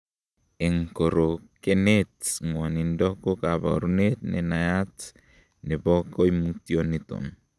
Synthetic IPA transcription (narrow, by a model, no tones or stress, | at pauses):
eŋkoɾokenetŋanindokokaba̰ɾunet̚nḛnajat | nebokojmutjonito̰n